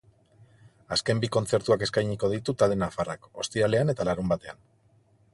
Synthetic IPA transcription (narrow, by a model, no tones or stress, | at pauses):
aske̞mbiko̞nt͡se̞ɾt̪uake̞skajɲiko̞ðit̪ut̪ald̪enafara̰ko̞st̪iɾale̞ane̞t̪alaɾumbat̪e̞an